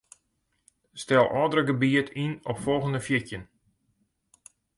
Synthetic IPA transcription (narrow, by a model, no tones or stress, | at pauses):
stɛlˠɔːdərəɡəbiətʰinɔpfɔlˠɣəndəfjɪkjən